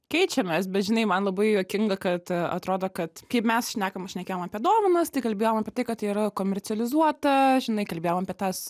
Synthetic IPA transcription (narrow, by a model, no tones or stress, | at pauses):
kʲɛɪt͡ʃʲɛmʲɛsbʲɛt̪ʒʲɪnɐɪmɐnlˠɐbɐɪjoːkʲɪŋɡɐkɐt̪ɐ̰t̪ɾoːd̪oːkɐt̪kɐɪpmʲɛsʃʲnʲæːkɐmʃʲnʲɛkʲeːjomɐpʲiɛd̪oːʋɐnɐst̪ɐɪkɐlʲbʲeːjomɐpʲiɛtɐɪkɐt̪iːɾɐkoːmʲɛrʲt͡sʲɪɛlʲɪzuɔt̪ɐʒʲɪnɐɪkɐlʲbʲeːjomɐpʲiɛt̪ɐs